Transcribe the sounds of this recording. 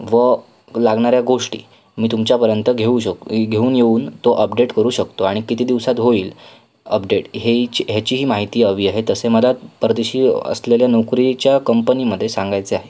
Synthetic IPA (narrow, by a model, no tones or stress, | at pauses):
ʋə | laɡɳaɾjaɡoʂʈḭː | miːt̪umt͡ɕjapəɾjənt̪əɡʱeuːɕɡʱeuːnjeuːnt̪oʔəpɖeʈkəɾuːɕəkt̪oaɽ̃ikit̪iːd̪iʋsat̪ɦoiːl | əpɖeʈɦet͡ɕɦjat͡ɕiːɦiːmaɦit̪iːəʋiːaɦet̪əseməlat̪pɾəd̪eɕiːə̰sleljanokɾit͡ɕjakəmpəniməd̪ʱːjesãŋɡajt͡seaɦe